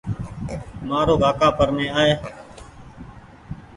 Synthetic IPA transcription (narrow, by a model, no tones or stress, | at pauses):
maːɾoːɡʱaːkaːpəɾmẽːaːeː